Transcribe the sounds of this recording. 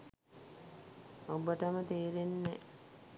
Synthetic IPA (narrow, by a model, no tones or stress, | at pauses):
obəʈəmət̪eːɾenːɛ